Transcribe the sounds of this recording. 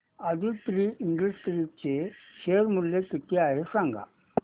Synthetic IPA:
əd̪ʱit̪ɾiʔiɳɖisʈɾit͡ɕeɕeɾmuljek̪it̪eaɦesãŋɡa̰

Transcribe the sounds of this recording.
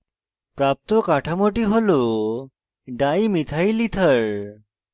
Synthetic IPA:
pɾap̚t̪okaʈʰamoʈiɦolo | ɖaimit̪ʰajlit̪ʰəɭ

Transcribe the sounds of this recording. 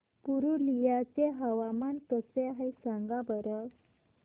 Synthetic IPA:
puɾulijat͡ɕeɦəʋamank̪əseaɦesãŋɡabəɾə

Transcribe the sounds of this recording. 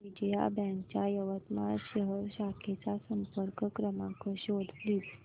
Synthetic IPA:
ʋid͡ʑeja̰bɛ̃ŋkt͡ɕjajəʋət̪maɕəɦəɾɕakʰet͡sasəmpəɾkkɾəmakɔɕod̪pliːs

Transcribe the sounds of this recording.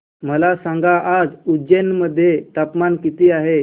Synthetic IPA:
məlasãŋɡaʔːd͡zud͡ʑenməd̪ʱːjet̪apmankit̪iːaɦe

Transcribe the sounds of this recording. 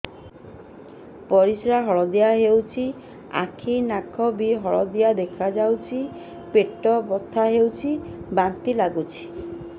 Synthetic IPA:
pɔɾisɾaɦɔɭɔd̪ijaɦewt͡ʃʰi | a̰kʰinakʰɔbiɦɔɭɔd̪ijad̪ekʰad͡ʒawt͡ʃʰi | peʈːɔbɔt̪ʰːaɦewt͡ʃʰibant̪ilaɡut͡ʃʰi̥

